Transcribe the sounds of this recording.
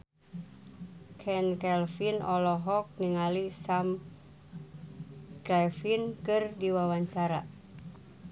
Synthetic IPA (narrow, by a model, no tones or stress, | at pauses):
kʰɛnkɛlfinɔlɔɦɔk̚niŋalisam | kɾɛfinkɨrdiwawaɲt͡ʃaɾa̰